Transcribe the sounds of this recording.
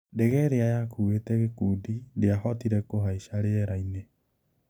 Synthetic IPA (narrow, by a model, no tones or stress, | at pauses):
dɛɣɛɾeajakuːwetɛɣekuːdideahɔtiɾɛkoɦaiʃaɾeɛɾaine